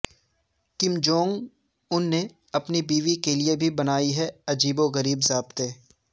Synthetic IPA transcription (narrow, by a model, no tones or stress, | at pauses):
kɪmd͡ʒõːŋɡ | ʊnːe | ɐpnibiːʋikeliebʱibɐnaːiɦɛɐd͡ʒiːboɣɐɾiːbzaːbt̪eː